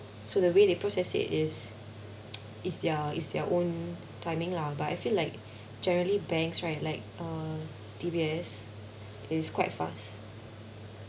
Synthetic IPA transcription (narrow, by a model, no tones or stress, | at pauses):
sodəwedepɹɔsɛsɪ̰tɪs | ʔɪsdɛəɪsdɛʔõn | tʰãɪmɪ̃ŋlabata̰ɪfilaɪk̚ | d͡ʒɛnəɹəlibɛ̃ŋksɹaɪtlaɪk̚ʌ | dibiɛs | ʔɪskwaɪtfa̰st